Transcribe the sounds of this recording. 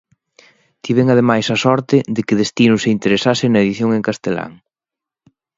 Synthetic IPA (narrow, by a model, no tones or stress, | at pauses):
t̪ʰiβeŋaðemajsɐsɔɾt̪ɪðɪkɪðest̪inʊseint̪eɾesasɪnɐeðiθjoŋeŋkast̪ela̰ŋ